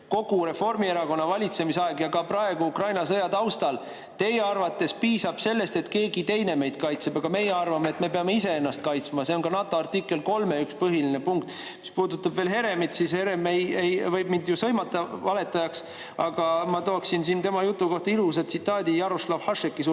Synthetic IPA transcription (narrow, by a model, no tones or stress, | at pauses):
ko̞ɡ̥uɾe̞fo̞rmie̞ɾɑko̞nːɑvɑlʲit̪se̞misɑe̞ɡ̥jɑɡɑprɑe̞ɡ̥uukrɑjnɑs̬ɤjɑt̪ɑwst̪ɑl | t̪e̞jeɑrvɑt̪ːˑe̞spiːsɑb̥se̞lːe̞st̪e̞t̪ke̞ːɡit̪e̞jne̞me̞jd̪̥̚kɑjt̪seb̥ɑɡ̥ɑme̞jːeɑrvɑmeet̪me̞peɑme̞ise̞e̞nːɑst̪̚kɑjt̪smɑse̞o̞nkɑnɑt̪ːˑo̞ɑrt̪ikːˑe̞lko̞lme̞ykspɤɦiline̞puŋk̚t̪ˑ | mi̥spuːd̪ut̪ːˑɑbve̞ːlɦe̞ɾe̞mit̪sishe̞ɾemejejvɤjbmind̪jusɤjmɑt̪ːˑɑvɑle̞t̪ːˑɑjɑks | ɑɡ̥ɑmɑt̪oːksinsint̪e̞mɑjut̪ːˑuko̞ht̪ɑilus̬ed̪t̪sit̪ːˑɑːd̪ijɑɾoslɑvhɑʂekːˑis